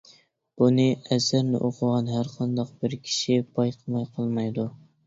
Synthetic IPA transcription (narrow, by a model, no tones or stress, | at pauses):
b̥unɨæzæɾnɪ̰ʔoqʰʊʁɑnɦæɾqʰɑnd̪ɑq̚bɪɾkʲʰi̥ʃibɑjqʰəmɑjqʰəlˠmɑjd̪u